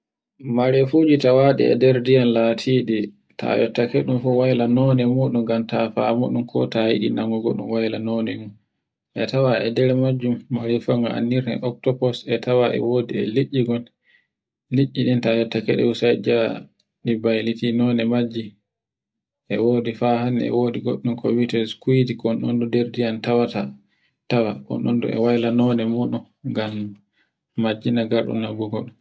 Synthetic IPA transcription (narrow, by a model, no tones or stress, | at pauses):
maɾefud͡ʒitawaɗḭɛ̰dɛɾdijanlatʰiɗi | tʰa̰jɔtːakɛɗumfɔwajlanɔnɛmuɗumɡamtafa̰muɗumkʰɔ̰tajḭɗḭnaŋɡɔɡɔ̰ɗumwajlanɔnɛmum | ʔɛtawaɛdɛɾmad͡ʒːumːaɾɛfaŋɡaa̰nːiɾɛ̰ʔɔk̚tɔpɔsɛtawaʔɛ̰woːdiɛ̰liʔːiɡɔl | liʔːiɗintajɔtːakɛɗɛ̰usajd͡ʒa | ɗibajlitinɔːnɛmad͡ʒːi | ʔɛwoːdifaɦanɛ̰woːdiɡɔ̰ɗːumkɔwitɛskuidikɔnɗɔndɔdeɾdijantawata | tawakɔ̰nɗɔ̰ndɔ̰ɛ̰wajlanɔnɛmuɗun | ɡamː | ad͡ʒːinaɡaɾɗṵnːaɡuɡɔɗum